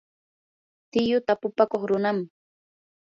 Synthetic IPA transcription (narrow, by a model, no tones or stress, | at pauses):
t̪ɪjʊt̪apʊpakoχɾʊnam